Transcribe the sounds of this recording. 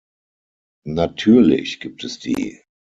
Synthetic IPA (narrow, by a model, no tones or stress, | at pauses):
natʰyːɐlɪ̰çɡ̥iːp̚tɛsd̥ḭː